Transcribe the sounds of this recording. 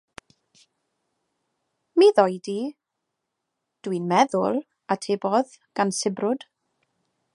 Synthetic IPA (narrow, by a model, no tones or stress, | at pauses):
miðɔjdi | d̥winmɛðʊlˠ | atʰeːbɔð | ɡ̥ansɪbrʊd̥